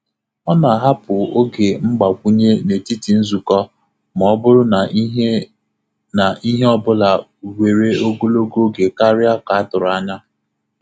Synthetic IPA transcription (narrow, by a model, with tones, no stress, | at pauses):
ɔ˦na˨ɦa˦pʊ˨o˦ɡe˨ŋ͡m̩˦ɡ͡ba˨kʷu˦ɲe˦ne˨ti˦ti˨n̩˦zu˨kɔ˦ | m˨ɔ˨˦bʊ˦ɾʊ˦ | na˨ʔi˦ɦe˦ɔ˦bʊ˦la˨we˨ɾe˦o˦ɡo˦lo˦ɡo˦ɡe˨ka˦ɾɪ˦a˦ka˨a˦tʊ˨ɾʊ˨a˦ɲa˦